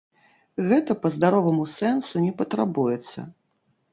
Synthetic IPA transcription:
ɣɛt̪ɐpɐzd̪aɾɔvɐmusɛnsunʲɛpɐt̪ɾabujɛt̪sːɐ̰

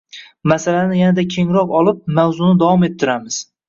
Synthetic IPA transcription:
masalanɪjanad̪akʲʰe̞ŋɾɒqɒlˠɪp̚mawzʊnɪd̪awɒme̞t̪ʰːɪɾamɪz̥

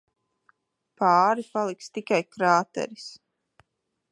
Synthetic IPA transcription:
paːɾipalˠikst̪ikajkɾaːt̪ɛ̰ɾis

